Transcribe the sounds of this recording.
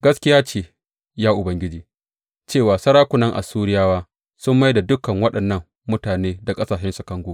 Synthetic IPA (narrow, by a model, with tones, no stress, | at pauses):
ɡɐ˦skʲɪ˦jaː˦t͡ʃeː˨ | jaː˦ʔʊ˨bɐ˦ŋɡʲɪ˦d͡ʒiː˨ | t͡ʃeː˦˨waː˨sɐ˦ɾaː˦kʷʊ˨nɐ˦ŋʔa̰˨suː˦ɽɪ˦jaː˦waː˦ | sʊ˦mːa˦jda˨dʊ˦kɐ˨ŋwɐ˦ɗɐ˨nːɐ˦ŋːʊ˦taː˨neː˦da˨kʼɐ˦saː˨ʃɛ˦nsu˨kɐ˦ŋɡʷuː˦